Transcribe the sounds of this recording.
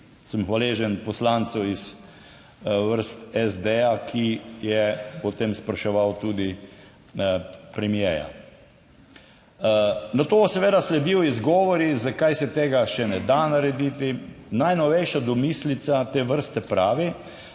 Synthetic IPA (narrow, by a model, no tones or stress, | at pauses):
səmxʋaleːʒɛnpɔslant̪sɔwiz | ʋəɾst̪ɛzd̪ejakʰijɛpɔt̪emspɾɐʃɛʋawt̪uːd̪i | pɾɛmjɛja̰ | nat̪osɛʋeːd̪aslɛd̪iwizɡɔːʋɔɾizakajsɛt̪eːɡaʃɛnɛd̪anaɾɛd̪it̪inajnɔʋɛjʃad̪ɔmislit̪sat̪eːʋəɾst̪ɛpɾaːʋi